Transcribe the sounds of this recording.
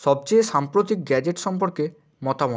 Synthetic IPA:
ʃɔb̚t͡ɕejʃampɾot̪ik̚ɡɛd͡ʑeʈʃɔmpoɾke | mɔt̪amɔ

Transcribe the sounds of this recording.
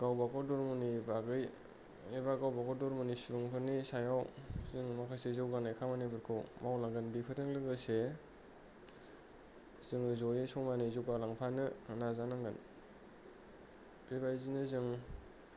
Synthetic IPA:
ɡ̥awbakɔdɔɾmunibaɡɯj | eβaɡawbakɔdɔɾmunisuɾuŋpʰɯnisajawzɯŋmakʰajsezɯwɡanajkʰamanibɯɾkʰɯwmawlaŋɡɯnbipʰɯɾɯŋlɯɡɯse | z̥ɯŋɯzɔjisɔŋmanizɯwɡalaŋpʰanɯɯnazanaŋɡɯn | b̥ebajzinɯzɯŋ

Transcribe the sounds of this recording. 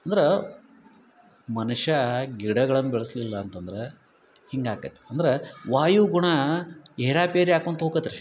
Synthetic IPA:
ɐnd̪ɐɾe | mɐnuʂɐɡiɽɐɡɐɭɐnːubɛɭɐslilːɐːnt̪ɐnd̪ɐɾe | hiŋɡaːkɐt̪ːe̥ɐnd̪ɐɾeʋaːjuɡuɳɐeːɾaːpeːɾiaːkont̪ɐɦokɐt̪ːɐɾe

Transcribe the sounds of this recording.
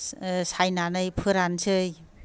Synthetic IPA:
sajnanɯjpʰɯɾansɯj

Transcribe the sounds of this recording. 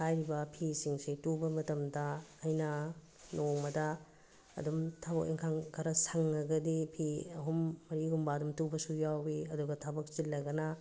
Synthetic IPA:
hʰajɾibɐpʰisiŋsitubɐmɐtɐmdɐːjnɐ | noŋmɐdɐ̰ː | dumtʰabɐk̚ḭŋkʰaŋɡʰɐɾɐsɐŋːɐɡɐdipʰiɐ̰ɦumːɐɾiɡumbadumtubɐsujawbiɐduɡɐtʰabɐk̚t͡ʃilːɐɡɐnɐ

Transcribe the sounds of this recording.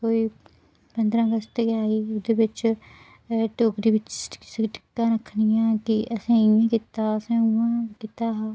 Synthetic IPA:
koːiː | pənd̪ɾãːɡəst̪eɡaːiːd̪eːʋɪt͡ʃ | ʈoːkd̪eːʋɪt͡ʃʈɪkːãːɾəkʰːnɪjãːkiʔəsẽːɪjãːkɪt̪aːəsẽːuãːkɪt̪aːɦaː

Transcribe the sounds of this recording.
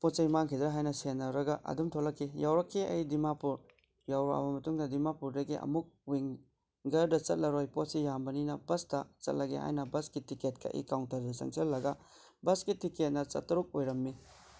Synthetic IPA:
pot̚t͡ʃɐjmaŋkʰidɾaɦajnɐsenːɐɾɐɡɐʔɐ̰dumtʰolɐkʰːijawɾɐkʰːiɐ̰jdimapuɾ | jawɾoɐ̰bɐmɐtuŋdɐdimapuɾdɐɡiʔɐ̰muk̚wiŋ | ɡɐɾdɐt͡ʃɐt̚lɐɾojpotsijambɐninɐbɐstɐt͡ʃɐ̰t̚lɐɡḛha̰jnɐbɐskitiket̚kɐ̰ʔḭkawntɐɾdɐsɐ̰ŋsellɐɡɐ | bɐsɡitiket̚nɐt͡ʃɐ̰tːɐɾuk̚ojɾɐmːi

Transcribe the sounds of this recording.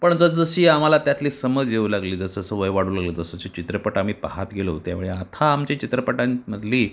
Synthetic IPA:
pəɳd͡zəsd͡zəɕiːam̤alat̪jat̪liːsəməd͡zjeuːlaɡliːd͡zəsd͡zəsəʋəjʋaɽuːlaɡləd͡zəsəɕit͡ɕit̪ɾəpəʈam̤iːpaɦat̪ɡʱelot̪ja̰ʋiɭeat̪ʰaːmt͡ɕit͡ɕit̪ɾəpəʈãməd̪ʱliː

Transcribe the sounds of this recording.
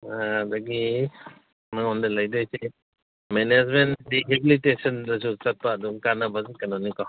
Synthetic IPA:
adaɡi | maŋɔndalajdɔjse | mened͡ʒmendiɦebilitesɔndɐsut͡ʃat̚paːduŋkanɐbazikanɔnika

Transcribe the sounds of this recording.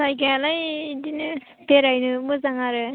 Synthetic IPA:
sajɡajalajdinɯ | peɾajnɯmɯzaŋaɾɯ

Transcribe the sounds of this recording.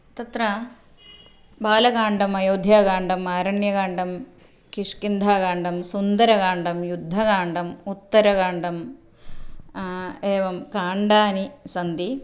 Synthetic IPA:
t̪ɐt̪ɾɐ | baːlɐkaːɳɖɐmɐjoːd̪ʱjaːɡaːɳɖɐmaːɾɐɳjɐɡaːɳɖɐm | kiʂkind̪ʱaːɡaːɳɖɐmsund̪ɐɾɐkaːɳɖɐmjud̪ʱːɐkaːɳɖɐmut̪ːɐɾɐɡaːɳɖɐm | eːʋɐmkaːɳɖaːnisɐnd̪i

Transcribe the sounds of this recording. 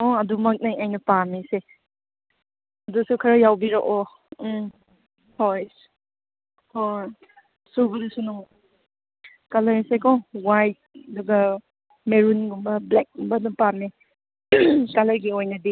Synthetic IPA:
ɔɐdumɐk̚najajnɐpamise | ɐdusukʰɐɾɐjawbiɾɐʔo | hojs | hoj | subɐnusunuŋ | kalɐɾisekɔwajt̚duɡɐ | meɾunɡumbɐblek̚ɡumbɐnɐpami | kalɐɾɡiojnɐdi

